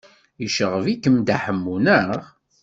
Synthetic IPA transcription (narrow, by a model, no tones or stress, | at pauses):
jəʃəʁəvikəmd̪aħəmːunəʁ